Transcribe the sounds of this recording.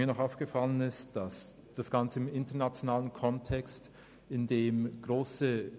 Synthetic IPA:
iːɐnɔχaʊfɡ̥əfalənɪstd̥as | d̥asɡ̥ant͡səɪmɪntɐnat͡sjonaːlənkʰɔntʰɛkst | ɪndeːmɡ̥ʁoːsə

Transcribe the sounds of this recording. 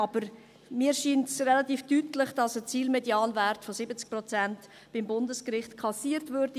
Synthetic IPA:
ɑb̥əɾ | miːəɾʃiːntsrɛlɑtiːfd̥ytlɪχd̥ɑsət͡siːlmɛdjɑːnvæɾtfɔsɪbət͡sk̚pɾɔt͡sænt | b̥ɪmbʊndəskrɪχtkʰɑsiːəɾtvøːɾd̥i

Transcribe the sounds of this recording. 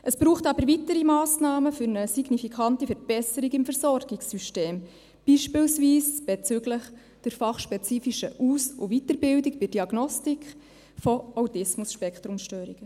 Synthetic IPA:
ʔəsb̥ɾuːχtɑbəɾvitəɾimɑːsnɑːməfʏɾnəsiɡnifikʰɑntifəɾb̥ɛsəɾiɡɪmfəɾsɔɾɡ̥iksyʃteːm | b̥iːʃpɪːlsviːsb̥et͡sʏɡləχ | d̥ɪɾfɑχʃpɛt͡siːfiʃəʔuːsʊʋitəɾbɪldikbɪd̥iɑɡnɔstik | fɔawtɪsmʊsʃpɛkt̪ɾumʃtøːɾiɡ̥ə

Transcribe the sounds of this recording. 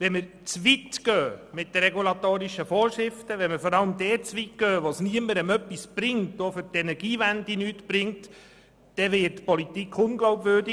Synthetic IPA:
ʋɛməɾ | t͡sʋitɡ̥œːmɪtdəɾɛɡulɑtoːɾiʃəfɔːɾʃɾɪftəʋɛməfɔɾɑləmdɛːt͡sʋitɡœːʋosniəməɾəmœpːisb̥ɾɪŋtofʏɾtɛnɛɾɡ̥iːvændinyːtb̥ɾɪŋt | d̥ɛʋɪːtpɔlitikʰχʊnɡlɔwbvøːɾdi

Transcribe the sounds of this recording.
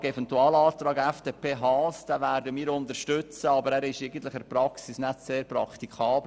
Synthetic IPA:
ɡɛfɛntuɑːlɑːt̪ɾɑːɡɛfd̥epʰeːɦɑːsd̥æːvæɾdəmiːɾʊnt̪əɾʃtʏt͡səɑbəɾæːɾɪʃeɡən̩t̪lɪχɛɾprɑksisnætseːɾpɾɑ̰kt̪ikʰɑːbl

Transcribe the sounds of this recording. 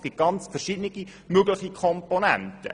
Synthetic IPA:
kɪt̚ɡ̥ɑnt͡sfɛrʃɪdnɪɡ̥i | møəɡləχikʰɔmponæ̰ntə̰

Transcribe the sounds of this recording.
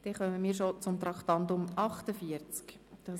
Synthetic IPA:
d̥ɛχœməmiːʃot͡sʊmt̪ɾɑktɑntʊmɑχtəfiəɾt͡skd̥ɑ

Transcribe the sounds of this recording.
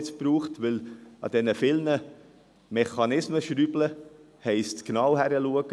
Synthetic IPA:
t͡sb̥ɾuːχtʋɪlɑ̰d̥ɛnəfɪlnə | mɛχɑnɪsməʃɾyblə | hɛɪstknɑwhæɾəluəɡ̥

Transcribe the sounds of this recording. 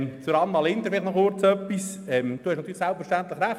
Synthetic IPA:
t͡suɾɑnmɑlɪnd̪əfɪlɪχtnɔχʊrt͡sœpːis | ɛmd̪̥uːhɛʃnɑt̪yːlɪsælpfəɾʃtænt̪ləχɾæχ

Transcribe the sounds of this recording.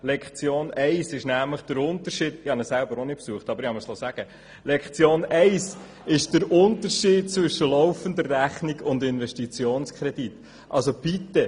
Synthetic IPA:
lɛkχt͡sjoːnɛɪsɪʃnæmləχd̥əɾʊnt̪əɾʃiːd̥ɪhɑnəssælbəɾonɪt̚psuəχtɑbəɾɪhɑməslɔsæɡ̥ə | lɛkχt͡sjoːnɛɪs | ɪʃd̥əɾʊnt̪əɾʃiːd̚t͡sʋʏʃəlɔʊfənd̪ərːæχniɡʊndɪnvɛʃtit͡sjoːnskʰɾɛd̥it | ʔɑ̰lsob̥it̪ːə

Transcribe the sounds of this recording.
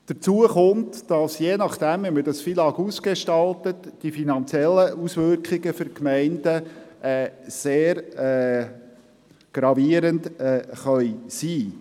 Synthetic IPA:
d̥əɾt͡suəχʊntd̥ɑsjeːnɑχd̥æmʋɛmədɑsfilɑkuːskeʃtɑltətd̥ifinɑnt͡sjɛlːəʔusʋʏɾkχɪɡəfʏɾkmɛɪndəɛːseːɾɛ | ɡ̥ɾɑviəɾəntɛːχœʏsiː

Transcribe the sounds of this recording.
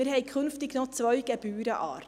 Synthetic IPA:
ɪɾhɛɪkʰʏnftɪɡnɔt͡sʋœʏɡ̥ɛbyːɾəʔɑ̰ːɾ

